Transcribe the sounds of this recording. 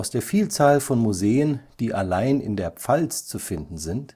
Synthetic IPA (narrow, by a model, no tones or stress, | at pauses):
ʊsd̥eːɐfiːlt͡saːlfɔnmuzeːənd̥iːʔalaɪnɪ̰ndeːɐp͡falt͡st͡sufɪndn̩zɪnt